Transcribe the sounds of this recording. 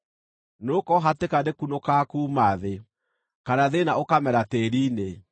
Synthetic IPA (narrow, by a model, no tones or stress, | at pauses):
nokɔɦatekadekunokakuːmaðe | kanaðenaokamɛɾateɾiːne